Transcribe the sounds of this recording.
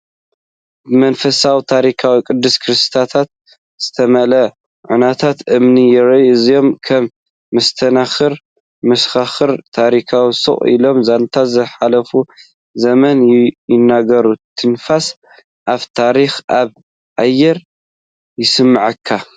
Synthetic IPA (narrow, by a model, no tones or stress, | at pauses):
mɐnfɐsawit̪ʰaɾikʰawikʼɨd̪ːɨskʰɨɾɨst̪ʰat̪ʰat̪̚ | z̥ɨt̪ʰɐmɐlɐ | ʕunat̪ʰat̪ʔɨmnijɛɾɐʔɨzijo̞mkʰɐmː | ɐst̪ʰɐnaxɨɾ | mɐsxaxɨɾt̪ʰaɾikʰawisɨ̰χʼḭlo̞mzant̪ʰat̪zɐħalɐfu | zɐmɐnjɪnːaɡɐɾut̪ʰɨnfas | ʔaβt̪ʰaɾixʔaβ | ʔajːɛɾ | jɪsɨmːaʕɨkʰːa